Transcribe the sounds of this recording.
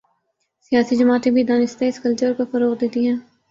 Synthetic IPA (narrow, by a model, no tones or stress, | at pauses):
sijaːsid͡ʒəmaːt̪ẽbʱid̪aːnɪst̪eɪskəlt͡ʃəɾkofɐɾoːqd̪eːt̪iɦɛ̃ː